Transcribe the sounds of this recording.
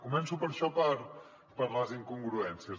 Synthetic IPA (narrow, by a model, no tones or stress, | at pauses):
kumɛnsupəɾʃɔpəɾ | pəɾləziŋkuŋɡɾuɛnsiə